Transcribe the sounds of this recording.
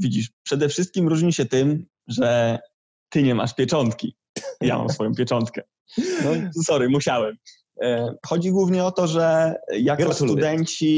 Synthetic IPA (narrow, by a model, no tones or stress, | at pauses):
vʲid͡ʑiʂpʂɛd̪ɛfʂɘst̪̚kʲimɾuʐɲiɕɛt̪ɘm | ʐɛ | t̪ɘɲɛma̰ʂpʲjɛt͡ʂɔnt̪kʲi | ja̰ma̰msfɔjɔ̃pʲjɛt͡ʂɔnt̪kɛ | nɔsɔɾajmuɕawɛm | xɔd͡ʑiɡwuvɲɛɔt̪ɔʐɛjakɡɔsud̪ɛɲt͡ɕi